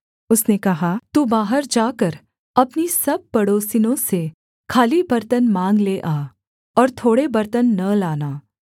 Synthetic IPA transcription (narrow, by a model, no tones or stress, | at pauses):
ʊsnekɐɦaːt̪uːbaːɦəɾd͡ʒaːkəɾ | ɐpnisɐb̚pɐɽoːsinõse | kʰaːlibɐɾt̪ənmãːŋɡleʔaː | ɔːɾt̪ʰoːɽebɐɾt̪ənːɐlaːnaː